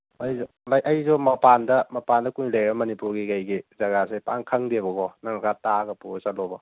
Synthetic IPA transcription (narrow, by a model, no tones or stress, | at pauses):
ajzɔ | lajʔajzɔmɐpandɐmɐpandɐkujlejɾɐmɐnipuɾɡikajɡizɐɡasajpaŋkʰaŋdebɐɡɔnaŋɐkataɡɐpusat̚lɔbɔ